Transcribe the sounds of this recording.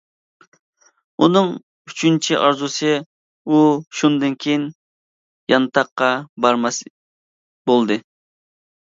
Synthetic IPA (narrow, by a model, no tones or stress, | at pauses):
unɨŋ | yt͡ʃʰynt͡ʃʰiʔɑɾzusɨ | uʃund̪ɨnkʲʰejin | jɑnɨt̪ʰɑqːɑbɑɾmɑs | bolˠd̪ɨ